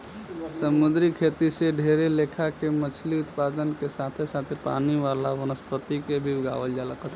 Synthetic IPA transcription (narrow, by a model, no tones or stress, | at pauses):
səmʊd̪ɾikʰet̪iseɖʱeɾelekʰakemət͡ʃʰliʊt̪paːd̪ənkesat̪ʰesaːt̪ʰepa̰ːniʋalaʋənəspət̪ikebʱiɡa̰ːʋəld͡ʒaləkət̪ʰ